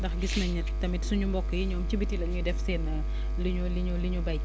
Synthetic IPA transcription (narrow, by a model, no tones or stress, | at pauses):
ndɐxɡisnɐɲɛttːɐmitsuɲumbɔkːəjiɲɔmt͡ʃibitilɐɲudɛfseːn | liɲuliɲuliɲubɐ